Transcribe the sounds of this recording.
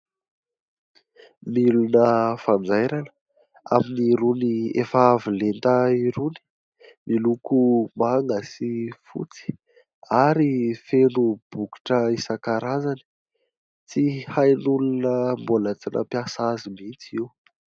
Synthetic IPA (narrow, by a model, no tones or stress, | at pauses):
milunəfand͡zajɾanə̥ | a̰miniɾuniḛfavilent̪əiɾuni̥ | milukumaŋasifṵt͡si̥ | aɾifenub̥uki̥ʈ͡ʂəisakaɾazani̥ | t͡sihajnulunəmbolat͡sinʔə̰pjasazimint͡siw